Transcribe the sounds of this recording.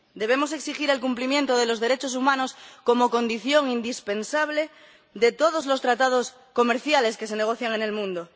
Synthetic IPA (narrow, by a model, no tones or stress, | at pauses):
d̪e̞βe̞mo̞se̞ksixiɾe̞lkumplimjẽ̞nt̪oðe̞lo̞zðe̞ɾet͡ʃos̬umãno̞sko̞mo̞kõ̞nd̪iθjo̞ŋind̪ispe̞nsaβ̞le̞ | ðet̪o̞ð̞o̞zlo̞st̪ɾat̪að̞o̞s | ko̞me̞ɾθjale̞ske̞se̞ne̞ɣ̞o̞θjaŋe̞ne̞lmũnd̪o